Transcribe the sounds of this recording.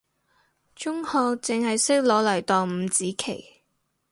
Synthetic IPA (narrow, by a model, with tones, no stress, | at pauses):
t͡ʃʊ˥ŋhɔː˧kt͡sɪ˨ŋhɐ˨jsɪ˥k̚lɔː˨˥lɐ˨˩jt̪ɔː˨ŋm̩˨˧˥t͡siː˨˥kʰe˨˩j